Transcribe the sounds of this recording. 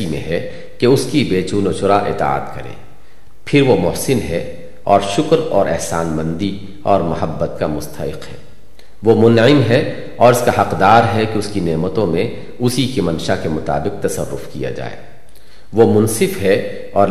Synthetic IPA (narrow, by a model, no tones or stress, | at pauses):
imḛ̃ɦɛ | keʊskibeːt͡ʃuːnot͡ʃʊɾaʔɪ̰t̪a̰ːt̪kɐɾḛ̃ː | pʰɪɾʋomʊɦsɪnɦɛ | ɔːɾʃʊkɾɔːɾʔɛ̰ɦsaːnmɐ̃nd̪i | ɔːɾmɐɦəbːət̪kamʊst̪ʰəɪ̰qɦɛː | ʋomʊnɪmɦɛ | ɔːɾɪskaɦɐqd̪aːɾɦɛkeʊskineːmət̪õmẽ | ʊsikemɐ̃nʃakemʊt̪a̰ːbɪq̚t̪ɐsə̰rːʊ̰fkija̰d͡ʒa̰ːḛː | ʋomʊnsɪfɦɛ | ɔːɾ